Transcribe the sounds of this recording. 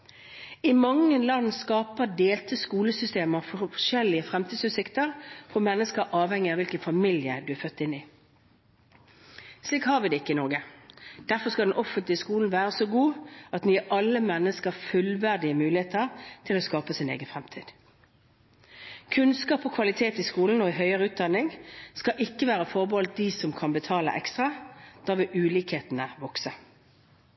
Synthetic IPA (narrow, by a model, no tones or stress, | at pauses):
ɪmɑŋːənlɑnskɑːpəd̪eːlt̪ʰəskuːləsʏst̪eːməɑfɔʂɛlɪəfʁɛmt̪ʰiːd̪sʉːt̪sɪkt̪əʁfɔmɛnːəskəɾʔɑːʋhɛŋːɪɑʋɪlkənfɑmɪljəd̪ʉæfœt̪ːɪnːɪ | sliːkhɑːɾʋɪd̪ɛɪkːəɪnɔɾɡəd̪̥æʁfɔskɑd̪ɛnʔɔfənt̪lɪəskuːln̩ʋæːʁəsoɡuːɑt̪nyːɛʔɑlːəmɛnːəskəʁfʉlʋæʁd̪ɪəmʉːlɪeːt̪əʁt̪ʰɪlɔːskɑːpəsɪnḛːɡənfʁɛmt̪ʰḭːd̪̥ | kʰʉnskɑːpɔkʰʋɑlɪt̪ʰeːt̪ɪskuːln̩ɔɪɦœʏəʁəʉːt̪̚d̪ɑnːɪŋskɑʔɪkːəʋæːʁəfɔʁbəhɔlt̪̚d̪isɔmkʰɑnbət̪ʰɑːlə̰ʔɛ̰kst̪ʁɑd̪̥ɑːʋɪʔʉːliːkheːt̪n̩əʋɔksə